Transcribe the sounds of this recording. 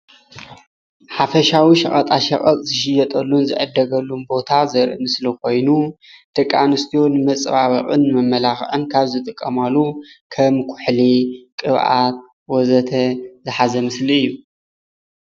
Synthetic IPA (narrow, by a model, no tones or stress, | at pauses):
ħafɐʃawiʃɐχʼɐt̪ʼaʃɐχʼɐt̪ʼzɨʃɪjɐt̪ʼɐlːunzɨ̰ʕɨd̪ɐɡɐlːumbo̞t̪ʰazɐɾʔɨmɨslɐkʰo̞jnu | t̪ʰʼɐkʼːanɨst̪ʰijonmɐt͡sʼβaβɐ̰χʼɨnmɐmːɐlaxʕɨnkʰaβzɨt̪ʼɨkʼːɐmalːukʰɐmkʰʊ̥ħlikʼɨβʕat̪̚ | wɔzɐt̪ʰɐzɨħazɐmɨsliɨjːu